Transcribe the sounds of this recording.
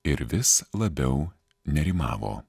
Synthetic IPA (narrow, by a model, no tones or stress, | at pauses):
ɪɾʋʲɪslˠɐbʲɛʊ | nʲɛɾʲimɑ̰ːʋo̰ː